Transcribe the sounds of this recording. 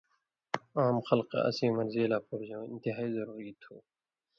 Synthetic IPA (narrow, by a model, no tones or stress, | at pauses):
aːmxʌlqḛɐ̰siːmʌɾzeːlaːpoɾd͡ʑõːɪ̰̃nt̪ɪɦaːiːzɐɾuːɾiːt̪ʰuː